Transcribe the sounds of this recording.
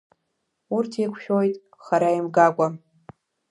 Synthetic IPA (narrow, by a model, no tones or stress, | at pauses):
urtʰikʷʰʃᶣojtʼ | χaɾajmɡakʷʼa